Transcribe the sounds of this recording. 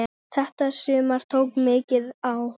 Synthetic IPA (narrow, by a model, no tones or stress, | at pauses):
θɛht̪asʏːmaɾ̥t̪ʰowkmɪːcɪðaw